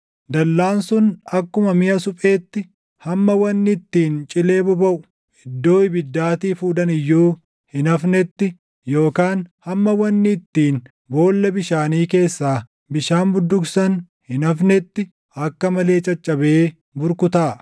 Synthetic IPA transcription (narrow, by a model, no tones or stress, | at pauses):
d̪ɐlːaːnsʊnɐkːʊmɐmɪʔɐsʊpʼe̞ːt̪ːɪ | hɐmːɐwɐnːɪːt̪ːiːnt͡ʃʼɪle̞ːbɔbɐʔʊ | ɪd̪ːo̞ːɪbɪd̪ːaːt̪iːfuːd̪ɐnɪjːuː | hɪnɐfnɛt̪ːɪ | jo̞ːkaːnhɐmːɐwɐnːɪːt̪ːiːn | bo̞ːlːɐbɪʃaːniːke̞ːsːaː | bɪʃaːnbʊd̪ːʊksɐn | hɪnɐfnɛt̪ːɪ | ɐkːɐmɐle̞ːt͡ʃʼɐt͡ʃʼːɐbeː | bʊɾkʊt̪aː